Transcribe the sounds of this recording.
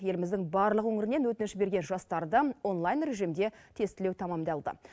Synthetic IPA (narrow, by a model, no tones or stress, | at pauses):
je̞lɪmɪzd̪ɪŋbɑɾlˠəqwɵŋɪɾɪne̞nwɵt̪ɪnɪʃbe̞ɾɡʲe̞nʒɑst̪ɑɾd̪əo̞nlˠajnɾe̞ʒijmd̪e̞t̪ʰe̞st̪ɪlewt̪ʰɑmɑmd̪ɑlˠd̪ə̰